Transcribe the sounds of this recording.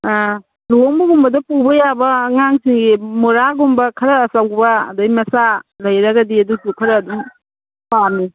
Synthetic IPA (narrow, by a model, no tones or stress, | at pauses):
loŋbuɡumbɐdɐpubɐjabɐŋaŋsiŋɡimoɾaɡumbɐkʰɐɾɐːsawbɐ̰ːdɐjmɐsalɐjɾɐɡɐdiɐdusukʰɐɾɐːduŋ | pami